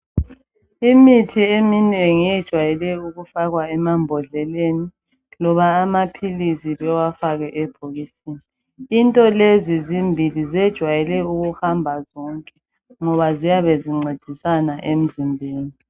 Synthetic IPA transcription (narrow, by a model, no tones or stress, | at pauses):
imitʰieminɛeŋijɛd̥ʒ̥ʱwajɛlɛuɣufaɣwaɛmambʱɔɮɛleni | lɔβaːmapʰilisiβɛwafaɣɛʔɛb̥ʱoɣisiːniː | ntʼɔlezizimbʱilizɛd̥ʒ̥ʱwajɛlɛuɣuhambʱazɔŋkʼɛ | ŋɔβazijaβeziŋ͡ǀed̥ʱisanaʔem̩zimbʱeːni